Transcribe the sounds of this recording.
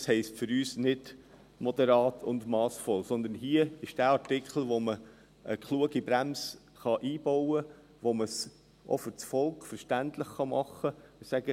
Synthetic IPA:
shɛɪstfʏɾyːsnɪd | mɔd̥̪ɛɾɑːtʰʊ̰nd̪mɑːsfɔlsɔnd̪ənɦiːəɪʃd̥æːɑɾtɪkχl̩ˠʋomə | əkχluəɡibɾæms | χɑʔiːb̥ɔwə | ʋoməs | ʔo̰fʏɾt͡sfɔlˠkfəɾʃtæntlɪχχɑmɑχəsæɡ̥ə

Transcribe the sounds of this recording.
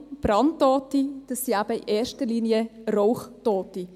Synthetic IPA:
b̥ɾɑntːɔːtid̥əsːiabəḭʔɛːɾʃtəliːnjəroʊχtɔːti

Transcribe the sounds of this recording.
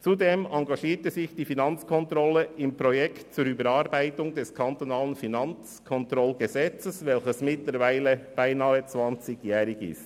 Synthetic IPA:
t͡sudeːmɑŋɡɑʃiːtəsɪçd̥iːfinɑnt͡skʰɔntɾɔləɪmpɾɔjɛkt̚t͡suɾyːbəɾɑɾbaɪtʊŋd̥ɛskʰɑntonɑːlənfinɑnt͡s | kʰɔntɾɔlɡ̥əzɛt͡səsvɛlçəsmɪtləɾvaɪləb̥aɪnɑːət͡svɑnt͡sɪɡjɛːɾɪɡɪ̰st

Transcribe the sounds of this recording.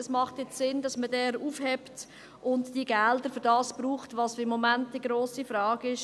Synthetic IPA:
əsmɑχtjɛt͡ssɪndɑsmədɛːɾuːfhɛpt | ʔʊntdiːɡældəɾfʏɾdɑːsb̥ɾuːχtʋɑːsfɪmːɔmæntːiɡɾoːsifɾɑːɡɪʃ

